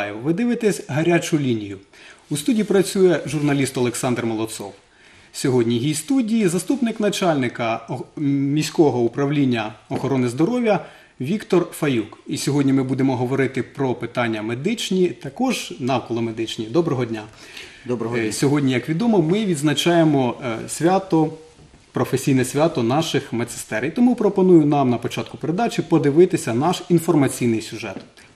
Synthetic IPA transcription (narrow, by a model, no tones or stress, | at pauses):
jɪʋɪd̪ɪʋɪt̪ɛsʲɦɐɾʲat͡ʃʊlʲinʲijʊust̪udʲijːipɾɐt͡sʲujɛʒurnɐlʲist̪ɔlˠeksɑnd̪rmɔlˠɔsɔ̰w | sʲɔɦɔdʲnʲiɦijst̪udʲijizɐst̪upnɪkn̪ɐt͡ʃɑlʲnɪkɐ | mʲisʲkɔɦɔupɾɐwlʲinʲːɐɔxɔɾɔnɪzd̪ɔɾɔʋʲjɐ | ʋʲikt̪ɔrfɐjukisʲɔɦɔdʲnʲimɪbud̪emɔɦɔʋɔɾɪt̪ɪpɾɔpɪt̪ɑnʲːɐmed̪ɪt͡ʃnʲit̪ɐkɔʒnɑwkɔlˠɔmed̪ɪt͡ʃnʲid̪ɔbɾɔɦɔdʲnʲa | sʲɔɦɔdʲnʲijɐkʋʲid̪ɔmɔmɪʋʲid̪znɐt͡ʃɑjemɔsʲʋʲat̪ɔ | pɾɔfesʲijnɛsʲʋʲat̪ɔnɑʃɪxmɐsɪ̥st̪ɛɾjt̪ɔmupɾɔpɔnujʊnɑmnɐpɔt͡ʃɑt̪̚kʊpeɾed̪ɑt͡ʃʲipɔd̪ɪʋɪt̪ɪsʲɐnɑʃinfɔrmɐt͡sʲijnɪjsʲʊʒɛt̪